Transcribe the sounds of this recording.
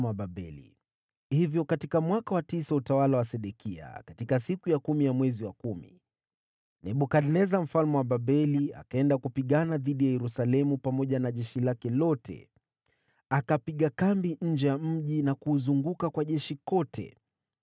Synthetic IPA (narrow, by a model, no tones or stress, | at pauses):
aɓabɛ̰lḭ | hivjɔkatikamwakawatisautawalawasɛɗɛkia̰katikasikujakumijamwɛziwakumḭ | nɛɓukadnɛzam̩falmɛwaɓaɓɛlia̰kaɛndakupiɠanaðiɗijajɛɾusalɛmupamɔʄanaʄɛʃilakɛlɔtʰɛ̰ | akapiɠakambiɲ̩d͡ʒɛjam̩ʄinakuːzuŋɡukakwaʄɛʃikɔtʰɛ̰